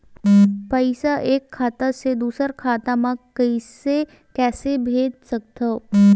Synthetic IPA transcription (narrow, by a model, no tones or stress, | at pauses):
pəɪsaʔeːkʰːaːt̪ased̪uːsəɾkʰaːt̪amãkəise | kɛːsebʱeːd͡ʒsɐk̚t̪ʰoː